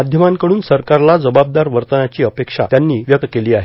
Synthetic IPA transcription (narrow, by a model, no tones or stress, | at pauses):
ad̪ʱjəmaŋkəɽuːnsəɾkaɾlad͡zəbab̚d̪aɾʋəɾt̪ənat͡ɕiːəpekʂa̰t̪janːiːʋjəkkeliːaɦe